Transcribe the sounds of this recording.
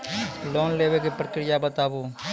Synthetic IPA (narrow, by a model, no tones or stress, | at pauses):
loːnleːʋekipɾəkɾɪjabət̪aːboː